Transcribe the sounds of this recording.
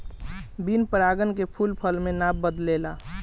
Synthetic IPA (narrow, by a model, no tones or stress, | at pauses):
binpəɾaɡənkepʰulpʰəlmenabːəd̪lela